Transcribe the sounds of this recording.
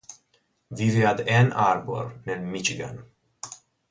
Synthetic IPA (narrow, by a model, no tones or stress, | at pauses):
vivjad̪ɛnaɾbo̰ɾnɛnmit͡ʃiɡa̰n